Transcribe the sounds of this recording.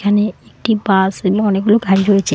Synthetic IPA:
kʰaneek̚ʈibasmɔneɡuloɡʱaɾiɾɦojet͡ʃʰe

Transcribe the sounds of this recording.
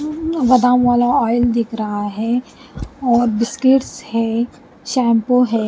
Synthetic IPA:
ʋɐd̪ãːmʋaːlaɔːɪld̪ɪkʰɾɐɦaɦɛː | ɔːɾbɪskɪʈshɛ | ʃɛ̃ːmpoɦɛː

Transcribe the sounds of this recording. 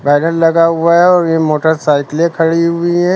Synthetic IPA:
baːnəllɐɡaɦʊaɦɛɔːɾjemoːʈəɾsaːɪklẽkʰɐɽiɦʊiɦɛː

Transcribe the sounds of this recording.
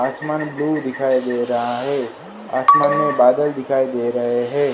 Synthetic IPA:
aːsmaːnbluːd̪ɪkʰaːid̪eːɾɐɦaɦɛː | aːsmaːnmẽbaːd̪əld̪ɪkʰaːid̪eːɾɐɦeɦɛ̃ː

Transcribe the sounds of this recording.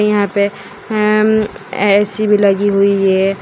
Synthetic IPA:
jɐɦãpe | ɛ̰ːsibʱilɐɡiɦuije

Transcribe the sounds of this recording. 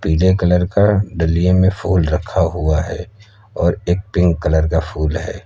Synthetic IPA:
piːlekələɾkaɖəliemẽfʰuːlɾəkʰːaɦuaɦɛ̰ː | ɔːɾeːk̚pɪ̃ŋɡkːələɾkafʰuːlɦɛ̰ː

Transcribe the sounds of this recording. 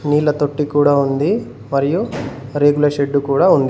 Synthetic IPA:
niːlɐt̪oʈːikuːɽaːund̪i | mɐɾijuɾeːɡulɐʂeɖːukuːɽaːund̪i

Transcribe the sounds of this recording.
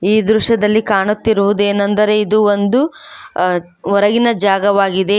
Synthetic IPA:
iːd̪ɾuʂɐd̪ɐlːikaːɳut̪ːiɾuʋud̪ueːnɐnd̪ɐɾe̞id̪uond̪u | ɔɾɐɡinɐd͡ʒaːɡɐʋaːɡid̪e̞

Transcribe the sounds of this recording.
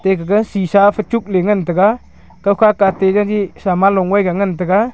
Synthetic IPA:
t̪eɡaɡənsisafʰət͡ʃuk̚leŋənt̪əɡa | kawkʰakat̪eɡaɡisamalɔŋwajɡaŋənt̪̬əɡa

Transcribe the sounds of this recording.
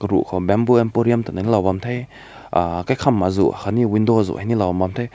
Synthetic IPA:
kɐɾuʔkʰɔbɛmbuɛmpɔɾiamtananilawbamtʰaj | akajkʰamːazṵakʰaniwindɔzṵʔajnilawbambamtʰaj

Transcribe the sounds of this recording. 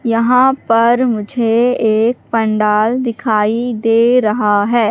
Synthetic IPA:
jɐɦãpɐɾmʊd͡ʒʱeeːk̚pɐ̃ɳɖaːld̪ɪkʰaːid̪eːɾɐɦaɦɛː

